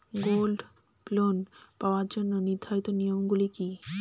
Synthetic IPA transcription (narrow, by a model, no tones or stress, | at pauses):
ɡolɖ | plonpaoaɾd͡ʑonːoniɾd̪ʱaɾit̪onijomɡuliki